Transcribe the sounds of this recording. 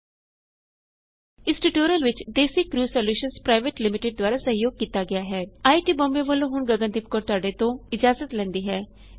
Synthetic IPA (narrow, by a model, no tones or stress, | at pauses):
ɪsʈuʈoːɾəlʋɪt͡ʃd̪eːsikɾuːsoːljuːʃənspɾaːɪʋeʈlɪmɪʈɪɖ̚d̪ʊaːɾasɐɦjoːɡ̚kiːt̪aɡɪjaːɦɛːaːiʈiːbõːmbeʋəlõːɦʊɳɡəɡə̃nd̪ɪp̚koːɾt̪ʊaːɖet̪õːɪd͡ʒaːzət̪lɛ̃ːnd̪iːɦɛː